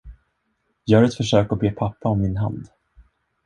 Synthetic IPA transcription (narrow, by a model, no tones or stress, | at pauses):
jɑːhaɾɛt̪fœʂøːkɔbeːpʰapːaɔmːɪnɦa̰nd̪